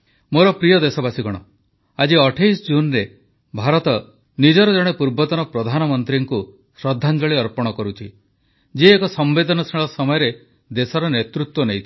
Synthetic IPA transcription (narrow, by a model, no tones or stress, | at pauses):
moɾɔpɾijɔd̪esɔbasiɡɔɽ̃ɔ | ad͡ʒiɔʈʰejsɔd͡ʒunɾe | bʱaɾɔt̪ɔ | nid͡ʒɔɾɔd͡ʒɔɽ̃epuɾbɔt̪ɔnɔpɾɔd̪ʱanɔmɔnt̪ɾiŋku | sɾɔd̪ʱːand͡ʒɔɭiɔɾpɔɽ̃ɔkɔɾut͡ʃʰi | d͡ʒiekɔsɔmbed̪ʱɔnɔsiɭɔsɔmɔjɔɾe | d̪esɔɾɔnet̪ɾut̪wɔnejt̪ʰi̥